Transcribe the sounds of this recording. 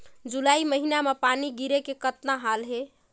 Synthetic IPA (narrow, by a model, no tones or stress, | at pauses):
d͡ʒulaiməɦinamepaniɡiɾekekət̪naɦalɦe